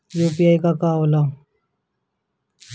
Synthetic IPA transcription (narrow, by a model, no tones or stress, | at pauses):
juːpiaːikakaːoːlaː